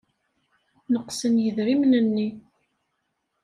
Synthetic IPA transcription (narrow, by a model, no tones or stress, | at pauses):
nəqsənjəðɾimnənːi